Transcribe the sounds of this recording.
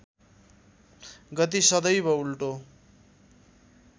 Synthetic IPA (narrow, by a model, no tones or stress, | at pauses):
ɡʌt̪isʌd̪ʌjbʌulʈo